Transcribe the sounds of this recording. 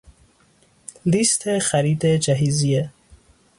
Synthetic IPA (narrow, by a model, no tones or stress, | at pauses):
list̪ʰexaɾid̪ed͡ʒaɦizije